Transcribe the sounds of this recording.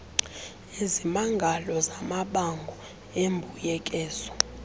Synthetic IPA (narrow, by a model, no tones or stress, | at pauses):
ezimaŋɡʱalɔzamaɓaŋɡʱɔ | embʱujɛkʼɛːzɔ